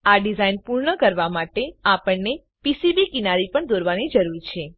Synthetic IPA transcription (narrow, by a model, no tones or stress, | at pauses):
aɖizainpuɾɳəkəɾʋamaʈeapəɳne | pisibikinaɾipəɳd̪oɾʋanid͡ʒəɾuɾt͡ʃʰe